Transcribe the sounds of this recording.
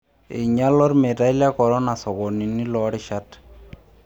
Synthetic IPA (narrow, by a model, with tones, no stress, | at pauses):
ɪ˨ɲa˦lɔ˦ɾmɛ˨da˦i˦lja˦kɔ˨ɾɔ˦na˨sɔ˨kɔ˨ni˨ni˦lɔ˨ɾɪ˦ʃa˦t